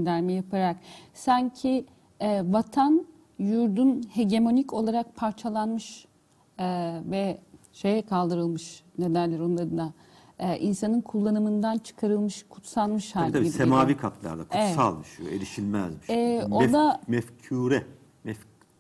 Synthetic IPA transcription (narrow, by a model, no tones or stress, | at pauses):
d̪æɾmijapʰaɾaksaɲcʰi | ɛːvat̪ʰan | juɾd̪unhe̞ɟe̞mo̞nico̞lˠaɾak̚pʰaɾt͡ʃʰalˠanmɯʃ | vɛ | ʃe̞jɛkʰalˠd̪ɯɾɯlˠmɯʃne̞d̪æɾlʲɛɾo̞nlˠaɾɯnaː | ʔinsanɯnkʰulˠːanɯmɯnd̪ant͡ʃʰɯ̥kʰaɾɯlˠmɯʃkʰu̥t̪salˠmɯʃhat̪aiidssemaːviːkʰat̪ʰlˠa̰ɾd̪ˠa̰kʰuessa̰lˠmiʃɯjoelʲiʃilʲmæzmiʃɛoɛd̪amɛfcʰuːɾɛ | mɛf